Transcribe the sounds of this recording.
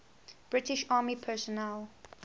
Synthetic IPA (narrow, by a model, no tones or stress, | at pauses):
b̥ɹɪtɪʃɑːmipʰɛsɔnɛl